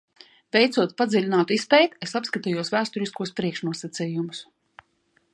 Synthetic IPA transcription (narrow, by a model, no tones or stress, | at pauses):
vɛjt̪suɔt̪̚pad̪zʲilʲinaːt̪ispʲɛjt̪esapskat̪ijuɔsvæːst̪ɔɾiskuɔspɾiɛkʃnuɔsat̪siːjumʊs